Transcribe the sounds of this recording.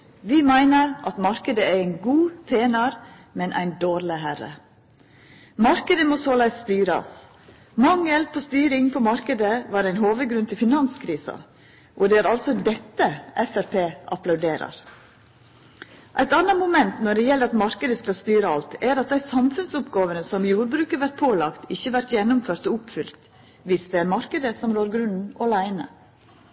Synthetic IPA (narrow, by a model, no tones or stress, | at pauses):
ʋɪmæɪnəɾʔɑt̪mɑɾkəd̪əæɾæɪnɡuːt̪ʰeːnɑɾ | mɛnʔæ̰ɪnd̪oːɾləɦæɾə̰ | mɑɾkəd̪əmɔsoːlæɪsːt̪yːɾɑ̰s | mɑŋːəlpʰɔst̪yːɾɪŋpʰɔmɑɾkəd̪əʋɑːɾæɪnɦoːʋəɡɾʉnt̪ʰɪlfɪnɑnskʰɾiːsɑ̰ | ʔɔd̪ɛæɾɑlsɔd̪ɛt̪ːəʔɛfæɾpʰeːʔɑplɑʉd̪eːɾə̰ɾ | ʔæɪt̪ɑnɑmʊmɛnt̪nɔɖɛjɛlːəɾɑt̪mɑɾkəd̪əskɑlst̪yːɾəɑlt̪æɾɑt̪̚d̪æɪsɑmfʉnsʊpɡoːʋənəsɔmjuːɾbɾʉːkəʋæɾt̪̚pʰoːlɑkt̪ɪçːəʋæɾt̪jɛnːʊmføːɾt̪ɔʊpfʏlt̪ | ʋɪsd̪ɛæɾmɑɾkəd̪əsɔmɾoːɾɡɾʉnn̩ʔɔlæɪnə̰